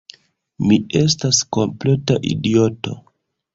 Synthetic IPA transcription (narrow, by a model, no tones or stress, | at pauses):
mie̞s̬tasko̞mple̞taʔḭdio̞to̞̰